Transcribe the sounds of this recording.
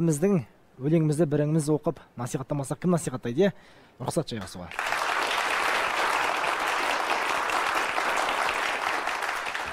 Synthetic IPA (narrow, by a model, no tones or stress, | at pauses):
ɪmɪzd̪ɪŋ | wɵle̞ŋɪmɪzd̪ɪbɪɾɪŋɪmɪzwo̞qəpnɑsijχɑt̪ːɑmɑsɑq̚kʰʲɪmnɑsijχɑt̪ːɑjd̪e | ɾʊqsɑt̪ʒ̥ɑjʁɑsuʁɑ̰